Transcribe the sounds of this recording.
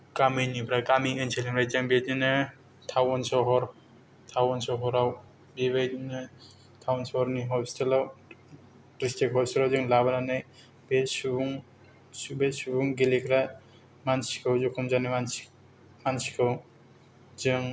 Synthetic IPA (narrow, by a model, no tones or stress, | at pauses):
kamejnipʰɾakamiɯnselimɾajzɯŋbetinɯ | tʰawɔnsɔɦɔɾ | tʰawɔnsɔɦɔɾaw | bebajtinɯ | tʰawnsɔhɔɾniɦɔstelaw | kɾistekhɔstelawzɯŋlabananɯj | besubuŋ | subesubuŋɡelekʰɾa | mansi̥kʰɯwzukʰɔmzanɯman | mansi̥kʰɯw | zɯŋ